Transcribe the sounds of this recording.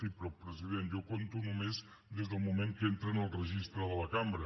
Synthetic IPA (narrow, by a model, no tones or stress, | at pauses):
ipɾopɾəziðenjokont̪unumez | d̪ezðəlˠmumẽŋkent̪ɾənəlˠrəʒist̪ɾəðələkambɾə